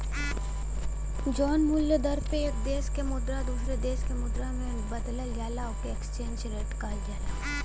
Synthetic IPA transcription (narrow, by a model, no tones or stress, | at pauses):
d͡ʒɔːnmʊljəd̪ɐɾpeeːkd̪eːskemʊd̪ɾad̪uːsɾed̪eːskemʊd̪ɾamẽ | bɐd̪ləljaːlaokeekst͡ʃeːnd͡ʒɾeːʈkaːld͡ʒaːlaː